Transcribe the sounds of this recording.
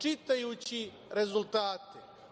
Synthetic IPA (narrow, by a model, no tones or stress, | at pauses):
t͡ʃit̪ajut͡ɕi | ɾe̞zulˠt̪aːt̪e